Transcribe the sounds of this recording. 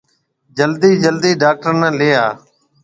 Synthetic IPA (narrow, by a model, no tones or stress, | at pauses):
d͡ʒəld̪iːd͡ʒəld̪iːɖaːk̚ʈəɾnːleːaː